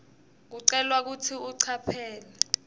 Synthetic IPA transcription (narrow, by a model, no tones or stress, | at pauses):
k̬uǀɛlwak̬utʰiuǀʰapʰɛːlɛ